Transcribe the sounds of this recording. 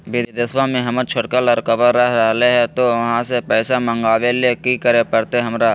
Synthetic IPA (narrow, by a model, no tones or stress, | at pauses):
bid̪d̪ɪswãmẽɦɐməɾt͡ʃʰʊʈkələɾkəbəɾːəɦɾəɦleɦɛ̃t̪oʋɐɦãsepɛːsamə̃ŋɡaːʋelekikəɾepəɾt̪eɦɐmɾaː